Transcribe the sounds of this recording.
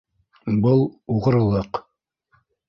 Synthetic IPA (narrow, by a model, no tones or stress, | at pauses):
bɤlˠuʁɤ̆ɾɤ̆lˠɤq